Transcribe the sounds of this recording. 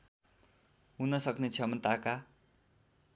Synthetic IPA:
ɦunʌsʌknet͡sʰʌmʌnt̪aka

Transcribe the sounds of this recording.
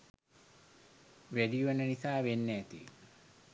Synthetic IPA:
ʋæɖijuʋanənisaːʋenːɛːt̪ḭ

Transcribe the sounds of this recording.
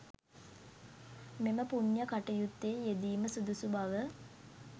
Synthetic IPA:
meməpuɲjəkaʈəjut̪ːeːjed̪iːməsud̪usubaʋə

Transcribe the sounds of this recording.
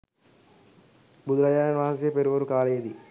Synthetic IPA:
bud̪ɾɐjaːɾɐnʋaːɦɐsepeɾuʋɐɾukaːleːd̪i

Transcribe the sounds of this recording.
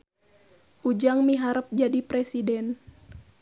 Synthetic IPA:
ʔud͡ʒaŋmiɦaɾəp̚d͡ʒadipɾɛsidɛn

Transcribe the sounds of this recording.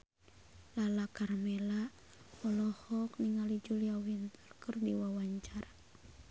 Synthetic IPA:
lalakarmɛla | ɔlɔhɔkniŋalid͡ʒuliawint̪ərkərdiwawaɲt͡ʃaɾa

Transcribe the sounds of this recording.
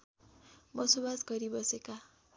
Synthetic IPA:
bʌsobasɡʌɾibʌseka

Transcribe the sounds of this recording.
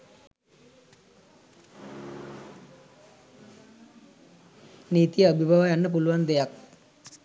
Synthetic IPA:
nit̪ijəəbʱibʱaʋəjanːəp̬uluʋand̪ejak̚

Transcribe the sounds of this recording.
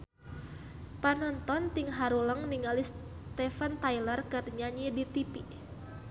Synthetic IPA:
panɔnt̪ɔnt̪iŋɦaɾuləŋniŋalis | t̪ɛfant̪ajlərkərɲaɲidit̪ipi

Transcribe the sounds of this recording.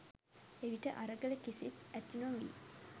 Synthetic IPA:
eʋiʈəʔaɾəɡələkisit̪æt̪inuɐmḭ

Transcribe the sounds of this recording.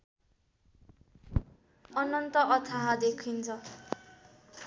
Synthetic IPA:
ʌnʌnt̪ʌʔʌt̪ʰaɦad̪ekʰint͡sʰʌ

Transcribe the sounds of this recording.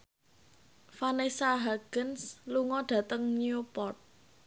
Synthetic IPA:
fanesaɦaɡ̥ənsluŋɔɖ̥ä̤t̪əŋniupɔrt̪̚

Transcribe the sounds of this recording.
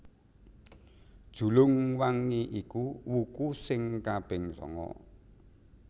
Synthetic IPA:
d̥ʒ̥ṳlʊŋwaŋiʔikuwukusɪŋkab̥ɪ̤ŋsɔ̰ŋɔ̰

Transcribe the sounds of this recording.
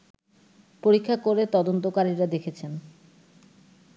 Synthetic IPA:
poɾikʰːakoɾet̪ɔd̪ont̪okaɾiɾad̪ekʰet͡ɕʰen

